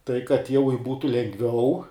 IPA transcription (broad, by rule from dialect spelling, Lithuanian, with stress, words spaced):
tɐɪ kɐt jɛʊ ɪr ˈbuːtʊ lʲɛŋɡˈʋʲɛʊ